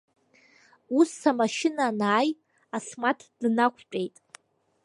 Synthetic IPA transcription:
usamaʃɪnanaːj | asmatʰd̥nakʷʰpʲʼejtʼ

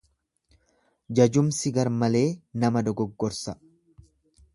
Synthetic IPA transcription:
d͡ʒɐd͡ʒʊmsɪɡɐɾmɐle̞ːnɐmɐd̪ɔɡɔɡːɔɾsɐ

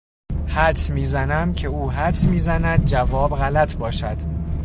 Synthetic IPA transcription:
hæd̪smiːzænæmcʰe̞uːɦæsmiːzænæd̪̚d͡ʒævɒːbɣælæt̪ʰbɒːʃæd̪̥

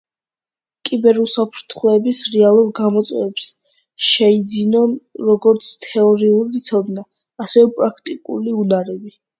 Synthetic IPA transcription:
kʼibɛɾusapʰɾt̪ʰχlɔɛbisɾɛalˠuɾɡamɔt̪sʼwɛ̰vɛps | ʃɛid̪zinɔnɾɔɡɔɾt̪sʰt̪ʰɛɔɾiuɾit̪sʰɔd̪naː | sɛvɛpʼɾakʰt̪ʼikʼṵliunaɾɛbi

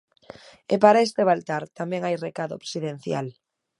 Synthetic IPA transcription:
epaɾaest̪eβalt̪aɾt̪amɛŋajrekaðoːksiðen̟θja̰l

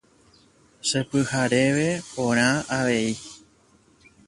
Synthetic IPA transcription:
sepɨhaɾe̞ʋe̞põɾ̃ãaʋe̞i

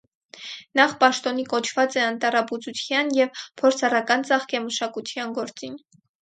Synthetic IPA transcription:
nɑχpɑʃt̪ɔnikɔt͡ʃʰvɑt͡sɛɑnt̪ɑɾɑput͡sut̪ʰjɑnjɛvpʰɔɾt͡sʰɑrɑkɑnt͡sɑχkɛməʃɑkut̪ʰjɑnɡɔɾt͡sin

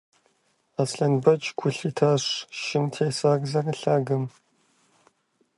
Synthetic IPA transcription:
aːsɬɐnbɐt͡ʃʼɡʷʰʊɬiːtʰaːɕʷʃɪmtʰeːsaːɡzɐrɨɬaːɡɐm

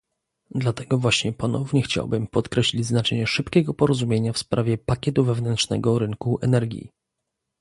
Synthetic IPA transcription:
d̪lat̪ɛɡɔvwaɕɲɛpɔnɔvɲɛxt͡ɕa̰wbɘmpɔt̪kɾɛɕlʲid͡ʑznat͡ʂɛɲɛʂɘpkʲɛɡɔpɔɾɔzumʲjeɲafspɾʔavʲjɛpakʲɛt̪uvɛvnɛnt̪ʂnɛ̰ɡɔɾɘŋkuʔɛ̰nɛɾɡʲjḭ

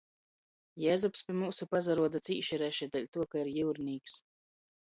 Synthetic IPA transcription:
jɛːzupspʲiɛmuːsupazaɾuɔd̪at̪siːʃiɾɛʃɛd̪ɛlʲt̪uɔkaiɾjɨwɾniːks

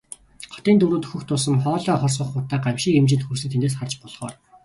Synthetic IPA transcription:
χɔ̥t̪iːnt̪ɵɾoːt̪ɵ̥xɵ̆xt̪ʊs̬ə̆mχɔːɮɔːχɔrs̬ɢə̆χʊːt̪ːæːɢawʃiːkemt͡ɕɪ̆ɮt̪xursɘ̆t̪ʰeneːsχart͡ɕpɔɮχɔ̰ːr

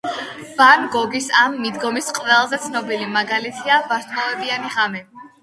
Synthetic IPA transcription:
b̥anɡɔɡisamːid̪ɡɔmisqʼvɛlˠzɛt̪sʰnɔbilimaɡalit̪ʰiabaɾt̪ʰʼmɔvɛbianiʁamɛ

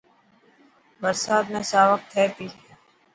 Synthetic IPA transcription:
bəɾsaːd̪mẽːsaːʋək̚t̪ʰːɛːt̪iːɦ

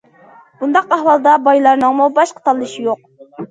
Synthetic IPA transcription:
b̥und̪ɑqɑhwɑlˠd̪ɑbɑjlˠɑɾnɨŋmubɑʃqʰə̥t̪ʰɑlˠːɨʃijoq̚

